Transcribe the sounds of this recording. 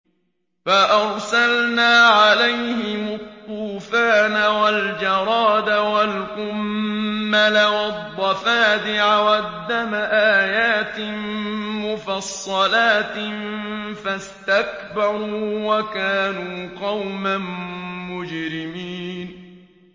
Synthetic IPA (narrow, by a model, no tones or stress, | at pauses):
faʔɑɾˤsalnaːʕalajhɪmʊt̪ˤːuːfaːnawald͡ʒɑɾˤɑːd̪awalqʊmː | alawɑd̪ˤːɑfaːd̪ɪʕawad̪ːamaʔaːjaːt̪ɪmːʊfɑsˤːɑlaːt̪ | fast̪akbɑɾuːwakaːnuːqɑwmammʊd͡ʒɾɪmiːn